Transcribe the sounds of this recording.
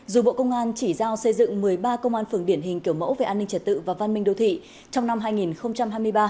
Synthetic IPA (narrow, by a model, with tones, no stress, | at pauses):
zu˨˩ɓo̰˧˨kə˧wŋ͡mʔaː˧nt͡ɕi˧˩zaː˧wsə˧jzɨ̰˧˨ŋmɨ˨˩əjɓaː˧kə˧wŋ͡mʔaː˧nfɨ˧˩əŋɗi˧˩ənɦï˨˩ŋ̟ki˧˩əwmə̰˧˥wve˨˩ʔaː˧nːï˧ŋ̟t͡ɕə˨˩t̚t̪ɨ̰˧˨vaː˨˩va˧nmï˧ŋ̟ɗo˧wt̪ʰḭ˧˨ | t͡ɕɔ˧wŋ͡mna˧mɦaː˧jŋi˨˩nxə˧wŋ͡mt͡ɕa˧mɦaː˧jmɨ˧əjɓaː˧